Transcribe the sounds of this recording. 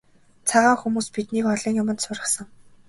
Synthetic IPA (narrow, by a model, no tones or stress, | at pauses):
t͡sʰaʁaːŋxumuːspit̪̚niːkɔɮiːŋjʊmə̆t̪sʊrʁə̆χsə̆ŋ